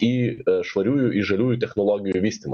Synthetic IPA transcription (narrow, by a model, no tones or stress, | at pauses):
iʃʋɐɾʲujʊʔiʒɐlʲujʊt̪ɛxnɔlˠɔɣʲijʊʋʲisʲt̪ʲɪmɐ